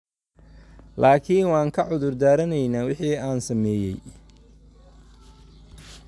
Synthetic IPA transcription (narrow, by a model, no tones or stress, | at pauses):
lʔaːkʰinwɑːŋkʰɐʕʊðʊrd̪aːɾɐnɛjnaːwɪħiːaːnsɐmɛːjɛ̰j